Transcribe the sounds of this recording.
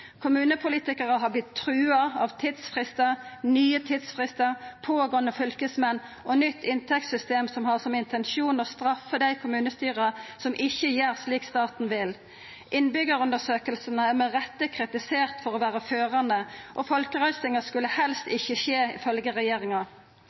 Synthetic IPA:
kʰʊmʉːnəpʰʊliːt̪ɪkəʁəɦɑblɪt̪ʰːɾʉːɑɑʋt̪ʰiːd̪sfʁɪst̪əʁnyːət̪ʰiːd̪sfʁɪst̪əʁpʰoːɡɔnːəfʏlkəsmɛnː | ʔɔnʏt̪ʰːɪnt̪ʰɛkt̪sʏst̪eːmsɔmhɑʁsɔmɪnt̪ʰɛnʃuːnɔst̪ɾɑfːəd̪æɪkʰʊmʉːnəst̪yːʁəsɔmʔɪçːəjeːʁsliːkst̪ɑːt̪n̩ʋɪl | ʔɪnbʏɡəɾʉnd̪əsøːkəlsənəæʁmɛʁɛt̪ːəkʰʁɪt̪ɪseːʁt̪fɔʁɔʋæːɾəføːʁɑnd̪əʔɔfɔlkəʁœʏsɪŋɑskʉlːəhɛlst̪ɪçːəʃeːɪ̰fœlɡəʁɛjeːɾɪŋɑ

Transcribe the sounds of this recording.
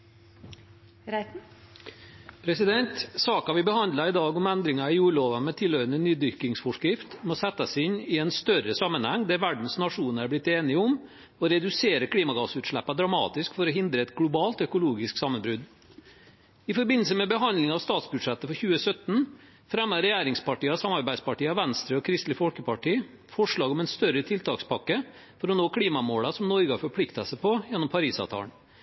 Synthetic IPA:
pʰɾɛsɪd̪ɛnt̪sɑːkɑʋɪbəhɑnd̪lɑɪd̪ɑːɡɔmænd̪ɾɪŋɑɪjuːɭoːʋɑmɛt̪ʰɪlhœʏɾənənyːd̪ʏkɪŋsfɔʂkɾɪft̪mɔsɛt̪ːɑsɪnːɪɛnst̪œɾəsɑmːənhɛŋːd̪æɾʋæɖɳ̩snɑʂuːnæɾblɪt̪ːeːnɪəʊm | ɔɾɛd̪ʉseːɾəkʰɽiːmɑɡɑsʉːt̪ʂɭæpːɑd̪ɾɑmɑ̰ːt̪ɪskfɔɾɔɦɪnd̪ɾəɛt̪ɡlʊbɑːlt̪œkʊluːɡɪsksɑmːənbɾʉd̪ | ɪfɔɾbɪnːl̩səmɛbəɦɑnd̪lɪŋɑʋst̪ɑːt̪sbʉd̪ʂɛt̪ːəfɔɾçʉːəsœt̪n̩ | fɾɛmːəɾɛjæːɾɪŋspɑʈiːɑsɑmɑɾbæɪspɑʈiːɑʋænst̪ɾəɔkʰɾɪst̪lɪfɔlkəpɑʈiː | fɔʂɭɑːɡɔmɛnst̪œɾət̪ʰɪlt̪ʰɑːkspɑkːə | fɔɾɔnoːkʰlɽiːmɑmoːlɑsɔmnɔɾɡəhɑːɾfɔɾpʰlɪkt̪əsəpʰɔjɛnːɔmpʰɑɾiːsɑ̰ʋt̪ʰɑ̰ːɳ

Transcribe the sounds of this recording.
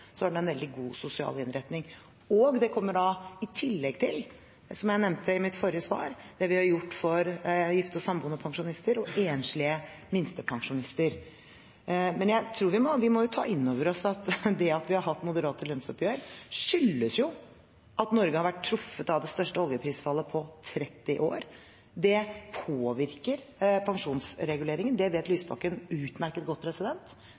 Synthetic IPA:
sɔæɖɛɛnʋɛld̪ɪɡuːsʊsɪɑ̰ːlɪnɾɛt̪nɪŋ | ɔɡd̪ɛkʰɔmːəɖɑɪt̪ʰɪlːɛɡ̚t̪ʰɪl | sɔmjæɪnɛmt̪ʰəɪmɪt̪fɔɾɪjəsʋɑ̰ːɾd̪̥ɛʋɪhɑɾjʊʈːfɔɾjɪft̪ɔsɑmbuːnəpʰɑŋʂʊnɪst̪əɾɔʔeːnʂɭɪəmɪnst̪əpʰɑŋʂʊnɪst̪əɾ | mɛnjæɪt̪ʰɾuːɾʋɪmɔʋɪmɔjʊt̪ʰɑ̰ːɪnːoːʋəɾɔsɑt̪d̪ɛɑt̪ʋɪhɑɾɦɑt̪ːmʊd̪əɾɑːt̪əlœnsɔpjøːɾʂʏlːəsjʊ | ʔɑt̪nɔɾɡəhɑɾʋæʈʰːɾʊfːət̪ɑʋd̪ɛst̪œʂʈəɔljəpʰɾiːsfɑlːəpʰɔt̪ʰɾɛt̪ːɪʔo̰ːɾ | d̪ɛpʰoːʋɪɾkəɾpʰɑŋʂuːnsɾɛɡʉleːɾɪŋənd̪ɛʋeːt̪lyːsbɑ̰kənʉːt̪mæɾkət̪̚ɡɔt̪̚ːpʰɾɛsɪd̪ɛnt̪

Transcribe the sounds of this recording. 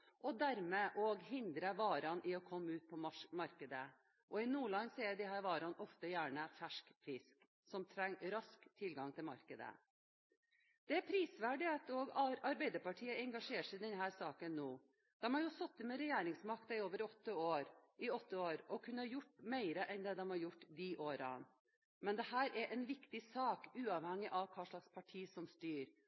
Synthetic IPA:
ʔɔd̪æɾmeʔɔːɡɦɪnd̪ɾəʋɑːɾɑnʔɪɔkʰɔmːəʉːt̪̚pʰɔmɑɾkəd̪ə | ʔɔɪnuːlɑnseːd̪ɪɦæːɾʋɑːɾɑnɔft̪əjæːɳəfæʂkfɪsk | sɔmt̪ʰɾɛŋːɾɑskt̪ʰɪlɡɑŋt̪ʰɪlmɑ̰ɾkəd̪ə̰ | d̪̥ɛæɾpʰɾiːsʋæɖɪɑt̪oːɡɑɾɑɾbæɪd̪əɾpɑʈʰiːəɛŋɡɑʂeːʂæɪd̪ɛnɦæːɾsɑːkənːoː | d̪̥ɛmhɑɾjʊsɔt̪ːɪmɛɾɛjæːɾɪŋsmɑkt̪ɪoːʋəɾɔt̪ːəoːɾʔɪɔt̪ːəoːɾɔkʰʉnːəɑɾjʊʈːmeɪɾəʔɛnd̪ɛːd̪ɛmhɑɾjʊʈːd̪iʔoːɾɑ̰n | mɛnd̪ɛhæːɾʔæʔɛnʋɪkt̪ɪsɑːkʉːɑʋhɛŋːɪʔɑʋkʰɑːʂɭɑkspʰɑʈʰiːsɔmst̪yːɾ

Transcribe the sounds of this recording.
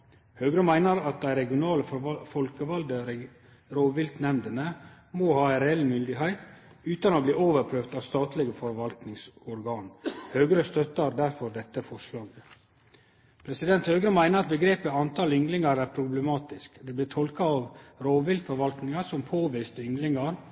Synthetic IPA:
høːɡɾəmæɪnəɾɑt̪̚d̪æɪɾɛɡɪʊnɑːləfɔlkəʋɑld̪əɾ | ɾoːʋɪlt̪nɛmd̪ənə | mohɑːæɪɾɛɛlːmʏnd̪ɪɦæɪt̪ | ʉːt̪ɑnoːbliːʔoːʋəɾpʰɾøːʋt̪ɑʋst̪ɑːt̪lɪɡəfɔɾʋɑlt̪nɪŋsɔɾɡɑːnhøːɡɾəst̪œt̪əɑɾd̪æɾfɔɾd̪ɛt̪ːəfɔʂlɑːɡ | pʰɾɛsɪd̪ɛnt̪høːɡɾəmæɪnəɾɑt̪̚bəɡɾeːpəɑnt̪ʰɑlʏŋɡlɪŋɑɾæɾpʰɾʊbləmɑːt̪ɪskd̪ɛːblɪːtʰɔlkɑɑʋɾoːʋɪlt̪fɔɾʋɑlt̪nɪŋɑsɔmpʰoːʋiːst̪ʏŋlɪŋɑɾ

